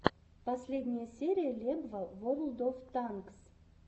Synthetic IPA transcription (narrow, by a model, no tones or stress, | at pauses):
pɐsʲlʲe̞d̪ʲnʲɪjəsʲeɾʲijəlʲebvəvoɾlˠd̪oft̪aŋks